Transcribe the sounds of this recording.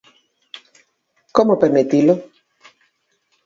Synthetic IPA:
komopeɾmet̪ilo

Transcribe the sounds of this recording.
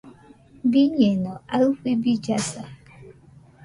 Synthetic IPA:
biɲenɔakʷibid͡ʒasa

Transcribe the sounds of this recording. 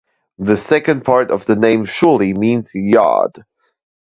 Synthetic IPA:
ðɨsɛkɨ̃n̚pʰɑɹɾʌvðɨnẽɪ̃mʃʊlimĩnz̥jɑ̰d̥

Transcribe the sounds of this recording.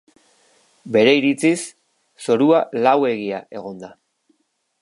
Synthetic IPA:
be̞ɾe̞iɾit͡sisː | o̞ɾualawe̞ɣ̞iaʔe̞ɣ̞o̞nd̪a

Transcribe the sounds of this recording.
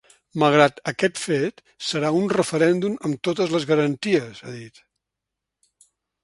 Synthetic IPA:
məlˠɣ̞ɾat̪əkɛt̪fet̪ | səɾaunrəfəɾɛnd̪uməmt̪ot̪əzləzɣəɾənt̪iəzəðit̪

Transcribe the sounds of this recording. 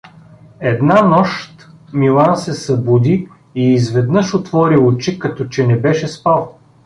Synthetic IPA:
ɛd̪nanɔʃt̪milˠansɛsɐbud̪i | iːzvɛd̪nɤʃot̪vɔɾiʊt͡ʃikɐt̪ɔt͡ʃɛnɛbɛʃɛspalˠ

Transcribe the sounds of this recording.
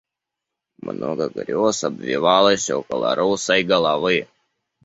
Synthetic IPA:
mɐ̰no̰ːɡɐɡɐ̰ɾʲoːsɐbʲʋʲḭʋɑːlˠɐsʲɛ̰ʊkɐlˠɐ̰ɾʔɐʊsɐɪɡɐlˠɐʋɐɪ

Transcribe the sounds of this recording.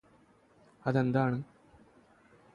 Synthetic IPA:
ɐðend̪aːɳɨ

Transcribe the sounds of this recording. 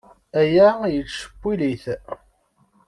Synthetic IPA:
æjæjəlʃə̥pːiliθ

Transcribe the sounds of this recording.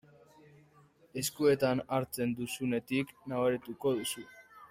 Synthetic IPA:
e̞skue̞t̪anaɾt͡se̞nd̪usune̞t̪iknaβaɾit̪uko̞ðusu

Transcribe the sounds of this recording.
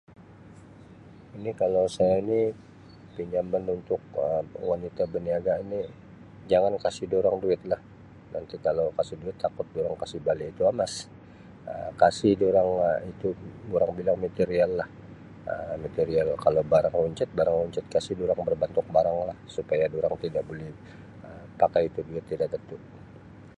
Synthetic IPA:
inikalowsajaini | piɲd͡ʒamanunt̪ʊk̚əwanit̪abəniaɡaini | d͡ʒaŋankasɪhdoɾaŋduɪt̪̚lah | nant̪ikalowkasɪhduɪt̪ːakʊt̪̚doɾaŋkasɪhbaliːt̪uamas | əkasɪhdoɾaŋit̪udoɾaŋbilaŋmat̪eɾialːah | əmat̪eɾialkalobaɾaŋuɲt͡ʃat̪̚baɾaŋuɲt͡ʃɪt̪̚kasɪhdoɾaŋbərbant̪ʊk̚baɾaŋlahsupajadoɾaŋt̪idaʔbolɛh | əpakajit̪uduɪt̪ːidaʔt̪ət̪ʊʔ

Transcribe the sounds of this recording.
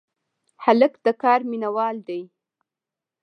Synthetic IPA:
haləkd̪̥əkɑɾminawɑld̪aj

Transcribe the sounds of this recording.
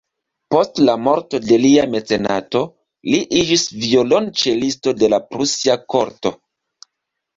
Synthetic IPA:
po̞stlamo̞ɾto̞de̞liame̞t͡se̞na̰to̞ | liʔid͡ʒisvio̞lont͡ʃe̞listo̞de̞lapɾusiako̞ɾto

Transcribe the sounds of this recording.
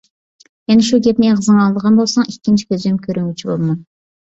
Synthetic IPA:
enuʃukʲep̪neqʰəzəɴɑlˠd̪əʁɑnbo̞lˠsɑɴikʲːɪnt͡ʃi̥kʲʰøzd̪emkʲʰøɾøŋɡyt͡ʃʰibolˠmɑn

